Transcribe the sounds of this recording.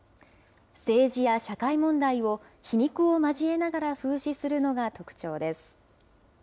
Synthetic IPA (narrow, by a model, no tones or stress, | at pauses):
se̞ːʑijaɕakaimõ̞nd̪aio̞ | çiɲ̟ʲikɯ̟o̞maʑie̞naɡaɾaɸɯ̟ːɕisɨɾɯ̟no̞ɡat̪o̞kɯ̟̥t͡ɕo̞ːd̪e̞sɨ̥